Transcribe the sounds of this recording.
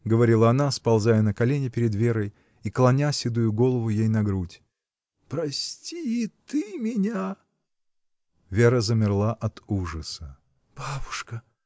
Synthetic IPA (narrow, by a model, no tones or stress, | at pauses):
ɡəvɐɾʲilˠəɐnaspɐlˠzajənəkɐlʲenʲɪpʲɪɾʲɪd̪vʲeɾəj | iklˠɐnʲasʲɪd̪ujʊɡo̞lˠəvʊjejnɐɡɾutʲ | pɾɐsʲtʲiɪt̪ɨmʲɪnʲa | vʲeɾəzəmʲɪrlˠaʔɐt̪uʐəsə | b̥abʊʂkə